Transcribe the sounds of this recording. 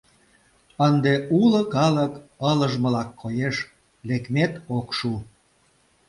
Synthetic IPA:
ənd̪eulə̆kɑləkələʒmə̆lɑkːojeʃ | lekmet̪okʃu

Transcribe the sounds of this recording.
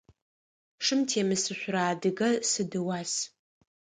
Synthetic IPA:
ʂɨmtʰeːmɨsɨɕʷraːdɨɡɐsɨdɨwaːs

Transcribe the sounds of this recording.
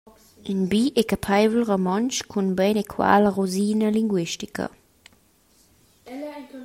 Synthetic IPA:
inbiʔekapʰajvlʁomɔnt͡ʃkʰunbɛnekʰwa̰ːləʁuziːnəliŋɡwiʃtikə̰

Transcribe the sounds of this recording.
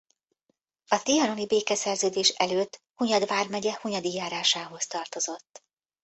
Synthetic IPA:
ɒt̪ijɒno̞nibeːkɛsɛrzøːd̪eːʃɛløːt̪ːhuɲɒd̪ʋaːrmɛɟɛhuɲɒd̪ijaːɾaːʃaːɦo̞st̪ɒrt̪o̞zo̞t̪ː

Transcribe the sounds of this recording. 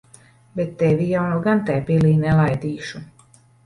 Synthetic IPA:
bɛt̪ːɛvijawnaɡant̪ɛjpiliːnɛlˠajd̪iːʃu

